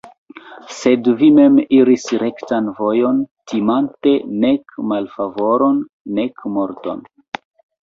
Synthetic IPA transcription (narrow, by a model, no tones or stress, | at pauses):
se̞dvime̞miɾisɾe̞ktanvo̞jo̞ntimante̞ne̞kmalfavo̞ɾo̞nː | e̞kmo̞ɾto̞̰n